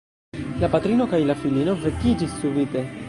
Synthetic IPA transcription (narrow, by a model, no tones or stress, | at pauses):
lapat̪ɾinokajilafilinovekːid͡ʒisuvit̪e